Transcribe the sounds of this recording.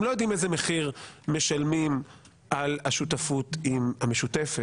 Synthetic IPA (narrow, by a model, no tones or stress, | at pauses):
mlo̞jod̪imezeme̞χiʁme̞ʃalmim | ʔalaʃutafut̪imhame̞ʃut̪efe